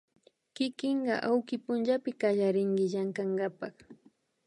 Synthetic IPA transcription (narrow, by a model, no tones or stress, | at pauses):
kɪkɪɴɢɑʔawkɪpʊnt͡ʃapɪkaʎaɾɪŋɡɪʎaŋkaɴɡɑpɑχ